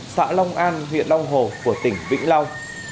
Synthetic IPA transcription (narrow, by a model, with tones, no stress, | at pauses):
sa̰ː˧˥lɔ˧wŋ͡mʔaː˧nɦwḭ˧˨ənlɔ˧wŋ͡mɦo˨˩ku˧˩ət̪ï˧˩ŋ̟vḭ˧˥ŋ̟la˧wŋ͡m